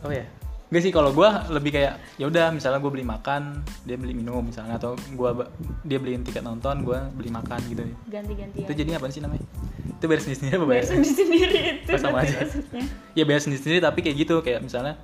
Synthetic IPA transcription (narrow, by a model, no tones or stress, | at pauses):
ojaŋɡaʔsɪhkaloɡualəbɪhkajaʔ | jaudahmisalɲaɡuabəlɪhmakandiabəlɪminʊmːisalɲaːt̪awɡuabdiabəlint̪ikat̪̚nɔnt̪ɔnɡuabəlihmakanɡit̪u | ud͡ʒadiɲapansihnamaɲit̪ubajarsəndiɾsəniɾiabəbajasəisəndiɾit̪uasamaːd͡ʒa | jabajarsəndiisəndiɾit̪apikajaʔɡit̪ukajaʔmisalɲa